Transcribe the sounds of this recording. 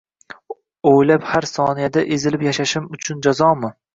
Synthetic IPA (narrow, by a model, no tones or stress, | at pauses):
ojlaphaɾsɒnijad̪aʔezɪlɪpjaʃaʃɪmʊt͡ʃʰʊnd͡ʒazɒmɪ